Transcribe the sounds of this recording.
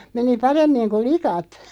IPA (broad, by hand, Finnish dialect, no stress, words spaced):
meni pɑremːiŋ ku likɑt